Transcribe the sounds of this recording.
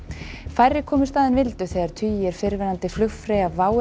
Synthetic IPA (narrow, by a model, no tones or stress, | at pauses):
fajɾːɪkʰɔːmɪ̥st̪aːðɪnvɪlt̪ʏθɛːɣðaɾ̥t̪ʰyːjɛɾ̥fɪɾvɛɾant̪ɪflʏxfɾeːjavaːw